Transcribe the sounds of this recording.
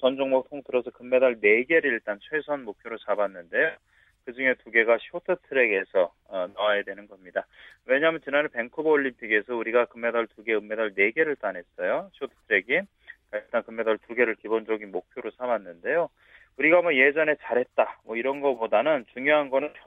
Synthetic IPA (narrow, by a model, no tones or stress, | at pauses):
t͡ɕʌnd͡ʑoŋmok̚tʰoŋtɯɾʌsʰʌkɯmːe̞daɭne̞ɡe̞ɾiɭt͈ant͡ɕʰwesʰʌnmok̚pʰjoɾot͡ɕabanːɯnde̞jo | kɯd͡ʑuŋe̞tuɡe̞ɡaɕʰiotʰɯtʰɯɾe̞ɡe̞sʰʌ | ʌnaajedwe̞nɯnɡʌmɲidawe̞ɲaɦːmjʌnt͡ɕinanepe̞ŋkʰobooʎːimpʰiɡe̞sʰʌuɾiɡakɯmːe̞dʌɭtuɡe̞ɯmːe̞daɭne̞ɡe̞ɾɯɭt͈anɦe̞s͈ʌjoɕʰiotʰɯ̥tʰɯɾe̞ɡi | kaiɭt͈ankɯmːe̞daɭtuɡe̞ɾɯɭkibond͡ʑʌɡinmok̚pʰjoɾosʰamanːɯnde̞jo | uɾiɡamʌje̞d͡ʑʌne̞t͡ɕaɾɦe̞t̚t͈amwʌiɾʌnɡʌpodanɯnt͡ɕuŋjoɦanɡʌnɯnpʰ